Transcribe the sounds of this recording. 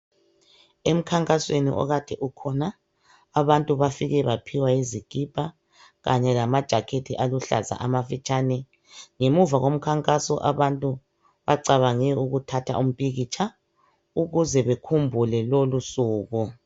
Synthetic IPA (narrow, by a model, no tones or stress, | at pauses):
em̩kʰaŋkʼaswenḭʔɔ̰ɣad̥ʱɛʔukʰɔna | aβantʼuβafiɣɛβapʰiwaiziɡ̥ʱib̥ʱa | ɣaɲɛlamad̥ʒ̥ʱakʰetʰiʔaluɬa̰za̰ʔamafit͡ʃʼaːnɛ | ŋemuvaɣom̩kʰaŋkʼasɔ̰ʔaβantʼu | βaǀaβaŋɛuɣutʰatʰa̰ʔum̩pʼiɣit͡ʃʰa | uɣuzɛβekʰumbʱulɛlolusuːɣu